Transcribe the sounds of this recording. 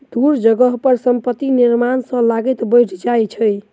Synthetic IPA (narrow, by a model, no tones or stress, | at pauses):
d̪uɾd͡ʒəɡəɦpəɾsəmpət̪ːiniɾmansə̃laɡet̪bəjʈʰd͡ʒajt͡ʃʰəj